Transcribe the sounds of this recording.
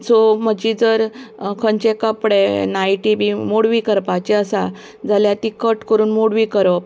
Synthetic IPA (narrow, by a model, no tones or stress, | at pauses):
soməd͡ʑid͡zəɾkʰəɲt͡ɕekəpɽenaiʈibimoɽʋiːkəɾpat͡ɕeəsa | d͡zaljat̪ikəʈkəɾuːnmoɽʋikəɾəp